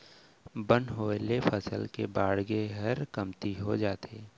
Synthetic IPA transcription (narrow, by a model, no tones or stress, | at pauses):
bə̃nɦoːelefʰəsəlkebaːɽɡeɦɐɾkəmt̪iɦod͡ʒaːt̪eː